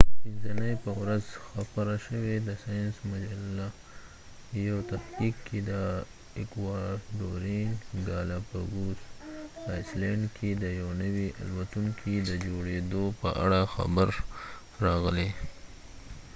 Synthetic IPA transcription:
binzanəjpəwɾazxapaɾaʃəwed̪əsɑjnsmad͡ʒalːa | jawt̪aft̪ikʰːed̪ə | ɪkwɑɖoɾinɡɑlapaɡusajsleɳɖkʰid̪əjawnəwia̰lwat̪uŋkʰid̪əd͡ʒoɽed̪opə̰ʔa̰ɽaxa̰bəɾ | ɾɑɣəle

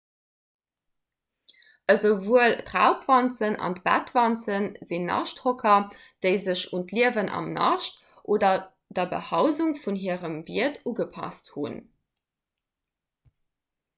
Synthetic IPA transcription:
ʔəzəvuəltʁaʊpvɑnt͡sənɑ̰ntb̥æ̰tv̥ɑnt͡sənzinːɑ̰ʃtʁokʰɐ | d̥eɪzəɕuntliəvənʔɑ̰mnɑ̰ʃt | ʔoːdɐ | dɐbə̰hɑʊzuŋfunɦiəʁəmviətuɡəpʰɑ̰sthṵn

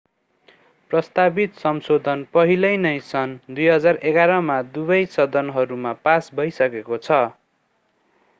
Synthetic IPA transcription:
prʌst̪abit̪sʌmsod̪ʱʌnpʌɦilʌjnʌjsʌnd̪ujɦʌd͡zareɡaɾʌmad̪ubʌjsʌd̪ʱʌnɦʌɾumapasbʱʌjsʌkekot͡sʰʌ

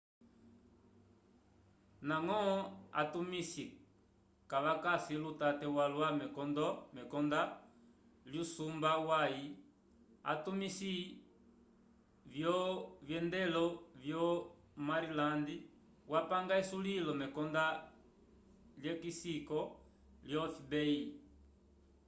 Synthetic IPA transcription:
naŋɔa̰tumisi | kaʋakasilutatɛwalwamɛkɔndɔmɛkɔnda | ljusumbawai | a̰tumisi | vjɔvjɛndɛlɔvjɔ | maɾilandi | wapaŋɡaisulilɔmɛkɔnda | ljɛkisikɔ | ljɔfibɛi

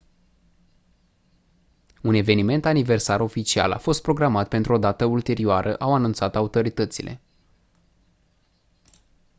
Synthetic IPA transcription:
une̞ve̞nime̞nt̪anive̞rsaɾo̞fit͡ʃia̰la̰fo̞st̪pɾo̞ɡɾamat̪̚pe̞nt̪ɾuo̞d̪at̪əult̪e̞ɾioaɾʔə̰ʔawanunt̪sat̪aut̪o̞ɾit̪ət̪silʔe̞̰

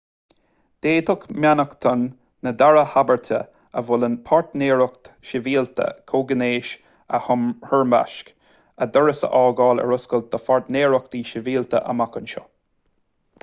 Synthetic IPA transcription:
d̪̥eːt̪ʰʊkmjanəkt̪ʰɔnː | əd̪aɹəhabəɹt̪ʰə̰ | əvʊlənpʰaɹt̪neːɹəkt̪ʃɪviːlt̪ʰə̰kʰoːɡəneːʃ | əhɔɹmba̰ʃk | əd̪ɔɹəsə̰ʔɑːɡɑːlə̰ɹʊskəl̚d̪̥əfaɹt̪neːɹək̚d̪iːʃɪviːlt̪ə̰ʔə̰makənʃɔ̰

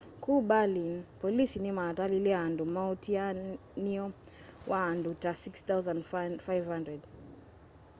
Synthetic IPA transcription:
kuːɓalinpɔlisinimaːtalilɛaandumautia | niɔwʔaːndutasikst̪awzãndfajvhãndɾɛd

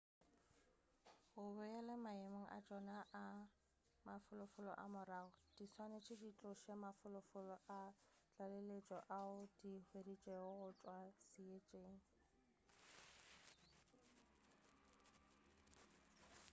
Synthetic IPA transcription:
ʊbʊɛlɛmaemaŋ̩ʔa̰t͡ʃʼɔnaʔa | mafʊlʊfʊlɔ̰ʔa̰mʊraːɣɔd̥iswanet͡ʃʰɪdit͡ɬʼʊʃemafʊlʊfʊlɔʔa | t͡ɬʼalelet͡ʃʼɔʔaʊdihwedit͡ʃʼeʊɣʊt͡ʃʼwasiet͡ʃʼeːŋ̩

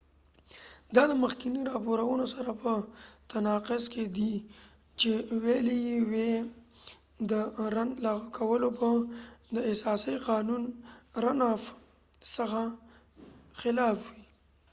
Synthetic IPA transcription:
d̪ɑd̪əməxkiniɾɑpoɾawənosaɾapət̪anɑqʊzked̪i | t͡ʃewelejiwe | d̪əɾanlɑɣakʰawəlopəd̪əɪsɑsəjqɑnunɾanɑf | səxa | xɪlɑfwi

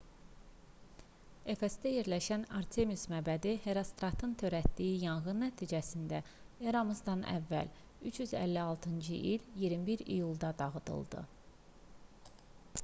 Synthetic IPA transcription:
e̞fesd̪æje̞ɾlæʃænɑɾt̪ʰemusmæbæd̪ihe̞ɾɑst̪ɾɑt̪ʰɯnt̪ʰø̞ɾæt̪d̪ijijɑnɣɯnːæt̪ʰiːd͡ʒæsind̪æ | jeɾɑmɯzd̪ɑnʔæ̰vːæ̰l | yt͡ʃjyzæ̰lːiɑlˠt̪ʰɯnd͡ʒɯʔiljiɾmibiɾḭjulˠd̪ɑd̪ɑɣɯd̪ɯ̰lˠd̪ɯ̰

